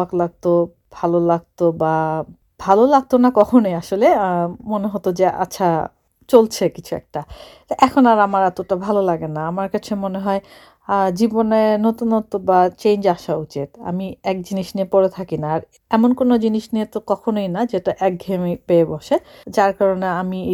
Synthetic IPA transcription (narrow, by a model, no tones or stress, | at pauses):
aklaɡ̚t̪o | bʱalolaɡ̚t̪oba | b̥ʱalolaɡ̚t̪onakɔkʰonojaʃolemoneɦot̪od͡ʑeʔa̰ːɕʰa | t͡ɕolt͡ɕʰekit͡ɕʰuɛ̰k̚ʈa | ʔɛkʰonaɾamaɾat̪oʈabʱalolaɡenaamaɾkat͡ɕʰemoneɦɔe | d͡ʑibonenot̪unɦot̪obat͡ɕend͡ʑaʃaut͡ɕit̪a̰miɛk̚d͡ʑiniʃniepoɾet̪ʰakinaːɾ | ɛmonkonod͡ʑiniʃniet̪okɔkʰonojnad͡ʑeʈaʔɛk̚ɡʱemipeeboʃed͡ʑaɾkaɾoneami